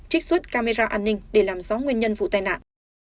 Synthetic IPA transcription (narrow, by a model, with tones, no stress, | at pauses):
t͡ɕi˦˥k̚swə˦˥t̚kaː˧me˧zaː˧ʔaː˧nːï˧ŋ̟ɗe˧˩laː˨˩mzɔ˨˦ŋwi˧ənɲə˧nvṵ˧˨t̪aː˧˩jna̰ː˧˨n